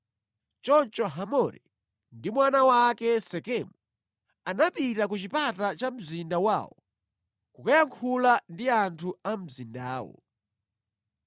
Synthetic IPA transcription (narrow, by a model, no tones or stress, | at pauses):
t͡ʃɔnt͡ʃɔɦamɔɾɛ̰ | ndimwanawakɛsɛkɛmu | anapitak̬ut͡ʃipatat͡ʃam̩zindawa̰ːwɔ̰ | kukajaŋkʰulandiantʰuam̩zindaːwɔ̰